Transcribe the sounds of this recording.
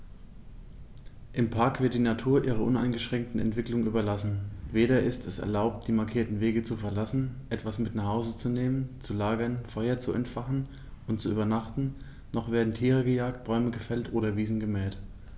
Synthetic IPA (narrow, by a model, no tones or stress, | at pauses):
ʔɪmpʰaɐkv̥ɪɐt̚d̥iːnatʰuːɐʔiːʁ̞ɐʔʊna̰ɪnɡəʃʁ̥ɛŋk̚tn̩ɛ̰ntv̥ɪklʊŋʔyːbɐlasn̩veːɾɐʔɪstʰɛsɛ̰ɐlaʊp̚t̚d̥iːmaɐkʰiːɐtn̩veːɡət͡sufɛɐlasn̩ʔɛtv̥asmɪtnaχhaʊzət͡suneːmənt͡sulaːɡɐnfɔʏɐt͡suɛ̰ntfaχn̩ | ʔʊntt͡suʔyːbɐnaχtn̩ | nɔχv̥eːɐdn̩tʰiːʁəɡəjaːk̚t̚b̥ɔʏməɡəfɛltʔoːɾɐviːzn̩ɡəmɛːt